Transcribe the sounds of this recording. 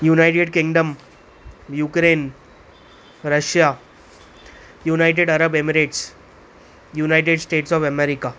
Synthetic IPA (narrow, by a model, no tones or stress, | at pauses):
junajʈ̬eɽkiŋɡɖəm | jukɾen | ɾəɕja | junajʈ̬eɽəɾəbemɾeʈs | junajʈ̬eɖsʈeʈsɔfɛmeɾika